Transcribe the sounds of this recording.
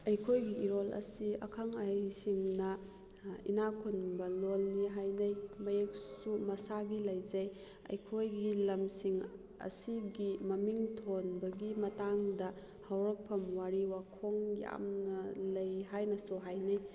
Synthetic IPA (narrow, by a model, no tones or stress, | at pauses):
ɐjkʰojɡiiɾolɐ̰siɐ̰kʰaŋajsiŋnɐ | ḭnakʰunbɐlolniɦajnɐjmɐjek̚sumɐsaɡilɐjzɐj | ɐ̰jkʰojɡilɐmsiŋ | ɐ̰siɡimɐmiŋtʰonbɐɡimɐtaŋdɐ | hawɾɐk̚pʰɐmwaɾiwakʰoŋja̰mnɐlɐjɦajnɐsuɦajnɐj